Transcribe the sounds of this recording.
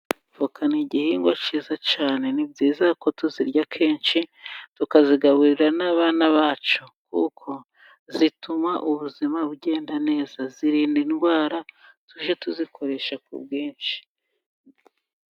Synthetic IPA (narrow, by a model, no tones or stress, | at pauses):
vokaniɟihiŋɡwat͡ʃizat͡ʃaːne̞nibɟiːzako̞tuziɾɟakʰe̞ːnʃitukaziɡaβuɾiɾanaβaːnaβaːt͡ʃo̞kṵkʰo̞ | zitumaʔuβuzimabɟe̞ːndane̞ːzaziɾiːndinɡwaːɾatuʒetuzikʰo̞ɾe̞ʃakṵb̚ɡiːnʃi̥